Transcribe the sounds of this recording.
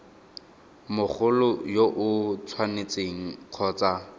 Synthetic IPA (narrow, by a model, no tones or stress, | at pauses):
mʊk͡xʰʊlʊjoʔʊt͡sʰwanet͡seŋ̩q͡χʰɔːt͡sa